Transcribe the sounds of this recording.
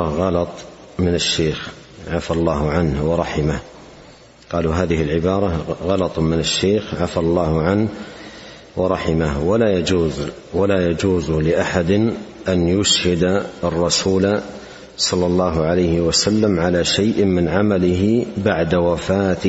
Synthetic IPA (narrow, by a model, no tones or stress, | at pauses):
ɣɑlɑt̪ˤ | mɪnɪʃːeːx | ʕafalˤːɑːɦʊʕanhwɑɾˤɑħɪmah | qɑːluɦaːðɪhɪlʕɪbɑːɾˤɑɣɑlɑt̪ˤmɪnɪʃːeːxʕafalˤːɑːhʊʕanh | wɑɾˤɑħɪmahwalajad͡ʒuːz | walajad͡ʒuːzlɪʔaħad̪ | ʔanjʊʃhɪd̪ɑrˤːɑsuːl | sˤɑlːɑlˤːɑːɦʊʕalajhɪwasalːamʕalaʃajʔmɪnʕamalɪɦɪbaʕd̪awafaːt̪